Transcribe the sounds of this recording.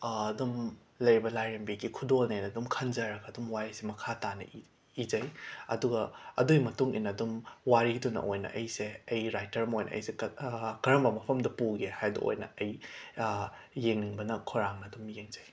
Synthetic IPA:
dum | lɐjɾibɐlajɾembiɡikʰudolnenɐdumkʰɐnd͡ʒɐɾɐɡɐːdumwaɾisemɐkʰatanɐ̰i | id͡ʒɐjɐ̰duɡɐɐ̰duimɐtuŋḭnːɐdumwaɾidunɐ̰ʔojnɐ̰ʔɐjseɐjɾajtɐɾmɐojnʔɐ̰ʔɐ̰jsekɐɾɐmbɐmɐpʰɐmdɐpuɡehajdɐ̰o̰jnɐ̰ɐj | jeŋniŋbɐnɐkʰoɾaŋnɐːdumjeŋzɐj

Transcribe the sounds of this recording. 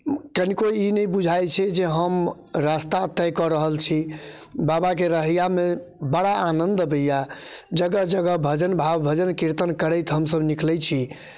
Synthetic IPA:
kənikoinəjbud͡ʒʱajt͡ʃʰɛd͡ʒeɦəm | ɾast̪at̪əjkɔɾəɦəlt͡ʃʰibabakeɾəɦijamebəɽaːnənd̪bəjad͡ʒəɡəd͡ʒəɡəbʱəd͡ʒənbʱabbʱəd͡ʒənkiɾt̪ənkəɾəjt̪ɦəmsəbniklɛt͡ʃʰi

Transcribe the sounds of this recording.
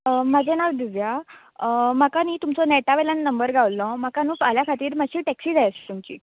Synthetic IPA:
mad͡zʱenaʋd̪iʋja | makaniːt̪umt͡sɔnɛʈaʋelanːəmbəɾɡʱaʋlɔmakanũːpaljakʰat̪iːɾmaɕiːʈɛksiːd͡zajəst̪umt͡ɕḭː

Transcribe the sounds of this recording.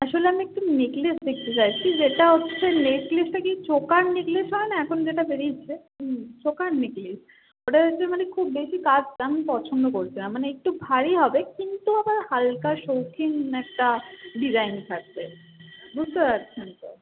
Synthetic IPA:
aʃoleamiek̚ʈuniklisd̪ek̚ʰt̪et͡ɕajt͡ɕʰid͡ʑeʈaɦotːɕʰeneʈklisʈakit͡ɕokannikliʃɦɔenaɛkʰonod͡ʑeʈabeɾit͡ɕʰe | t͡ɕokanniklis | oʈaoːɕʰemanekʰubːbeʃikad͡ʑtaminpɔɾt͡ɕʰond̪okoɾt͡ɕʰinamːaneek̚ʈubʱaɽiɦɔbekint̪uabaɾhalkaʃowkiŋɛk̚ʈaɖizajnkʰak̚be | bud͡ʑt̪opatːɕʰent̪o

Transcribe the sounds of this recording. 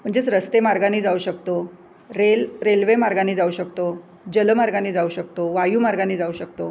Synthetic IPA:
m̤əɳd͡zet͡sɾəst̪emaɾɡaniːd͡zauɕəkt̪o | ɾelɾelʋemaɾɡaniːd͡zauɕəkt̪o | d͡ʑələmaɾɡaniːd͡zauɕək̚t̪oʋajuːmaɾɡaniːd͡zauɕək̚t̪o

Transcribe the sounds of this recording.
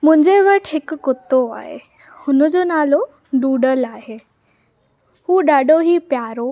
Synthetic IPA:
m̤ũɲd͡ʑeʋəʈʰekːot̪ːoa̰ɦḛ | hunəd͡zonalo | ɖuɖəlaɦe | huːɖaɖoɦiːpjaɾo

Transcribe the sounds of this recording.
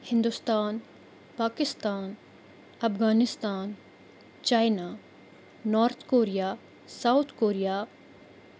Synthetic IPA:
hɪ̃nd̪ust̪aːn | paːkɪst̪aːn | ɐfɣaːnɪst̪aːn | t͡ʃaːjnaː | nɔːɾt̪ʰkoːɾijaː | saʊt̪ʰkoːɾijaː

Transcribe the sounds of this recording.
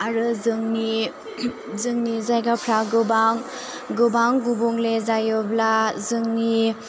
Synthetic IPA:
aɾɯzɯŋni | zɯŋnizajɡapʰɾaɡɯbaŋ | ɡɯbaŋɡubuŋlezajɔblazɯŋni

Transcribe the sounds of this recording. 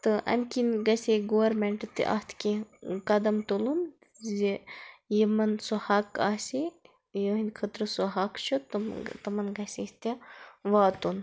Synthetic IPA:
t̪ɨʔɐ̰mʲkinɡɐsʲeɡoʋɐɾmeɳʈɨt̪ḭʔɐ̰st̪ʰkikɐd̪ɐmt̪ulun | zejimɐnsuhaːkaːsʲi | jəɦinkʰɐt̪ɾɨsuɦakt͡ʃʰut̪t̪ɐmɐnɡɐsʲist̪ɐʋaːt̪un

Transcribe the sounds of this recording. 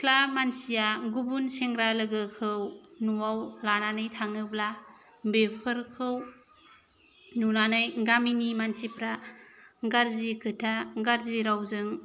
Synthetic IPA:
kʰlamansijaɡubunseŋɡɾalɯɡɯkʰɯwnuwawlananɯjtʰaŋɯbla | bepʰɯɾkʰɯw | nunanɯjɡaminimansipɾa | ɡaɾzikʰɯtʰaɡaɾziɾawzɯŋ

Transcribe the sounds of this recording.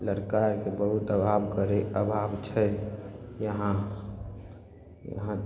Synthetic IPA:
ləɾkaɾkebəɦut̪əbʱabkəɾeʔəbʱabt͡ʃʰɛ | jəɦã | jə̰ɦã

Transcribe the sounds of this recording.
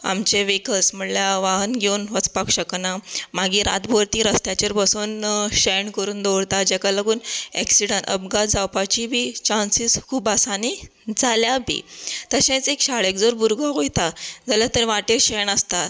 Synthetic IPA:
a̰mt͡ɕeʋekəlsm̤əɽljaʋaɦənɡʱeunʋət͡spakɕəknamaɡiːɾa̰t̪boɾt̪ĩɾəst̪jat͡ɕəɾpasuːnɕəjɳkəɾuːnd̪oɽt̪ad͡ʑɛkaləɡuːnḛksiɽənə̰b̚ɡad͡zawpat͡ɕibʱit͡ɕãnsiskʰuːbasanid͡zʱaljabḭt̪əɕẽt͡sekɕaɭek̚d͡zoɾbʱuɾɡaɦojt̪ad͡zaljat̪əɾʋaʈeɕəɳəst̪at̪

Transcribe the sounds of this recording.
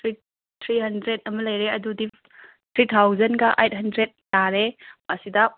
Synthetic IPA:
ɾi | t̪ʰɾiɦɐndɾetɐmɐlɐjɾeɐdudi | t̪ʰɾit̪ʰawzɐnɡɐʔejt̚ɦɐndɾet̚ːaɾemasidɐ

